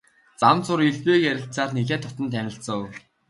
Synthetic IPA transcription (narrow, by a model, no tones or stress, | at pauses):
t͡samt͡sʊɾiɮpeːkæɾʲɪ̆ɬt͡saːrneɣeːt̪ʰːʊt̪ə̆nt̪ʰːænʲɪ̆ɬsəw